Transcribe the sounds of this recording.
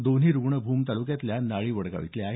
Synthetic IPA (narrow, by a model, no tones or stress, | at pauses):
d̪onɦiːɾuɡɳəbʱuːmt̪alukjat̪ljanaɭiːʋəɽɡa̰ʋḭt̪leaɦe